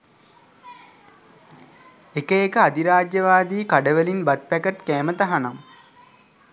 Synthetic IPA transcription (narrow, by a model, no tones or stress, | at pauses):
ekəekəad̪iɾaːd͡ʒjəʋaːd̪iːkaɖəʋəlinbat̪̚pækəʈkæːmət̪aɦanam